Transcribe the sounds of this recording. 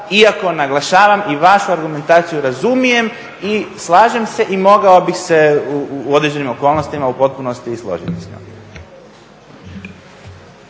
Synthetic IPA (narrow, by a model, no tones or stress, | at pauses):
iako̞naɡlˠaʃaːʋamiʋaʃuaɾɡume̞nt̪aːt̪sijuɾazumije̞m | islˠaːʒe̞mse̞ʔimo̞ɡao̞bixse̞uod̪ɾed͡ʑe̞nimo̞ko̞ːlnost̪imaupo̞t̪̚puno̞st̪islˠo̞̰ʒit̪i̥sno̰ɡi